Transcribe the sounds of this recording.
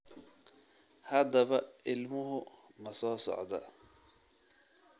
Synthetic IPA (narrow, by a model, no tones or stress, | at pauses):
hɐd̪ɐβɐʔɪlmʊɦʊmɐsɔːsɔ̰ʕd̪ɐ̰